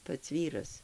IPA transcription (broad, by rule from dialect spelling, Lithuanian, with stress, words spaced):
ˈpɐts ˈʋʲiːrɐs